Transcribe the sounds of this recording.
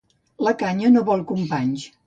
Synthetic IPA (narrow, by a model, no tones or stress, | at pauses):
ləkaɲənoβɔlˠkumpaɲʃ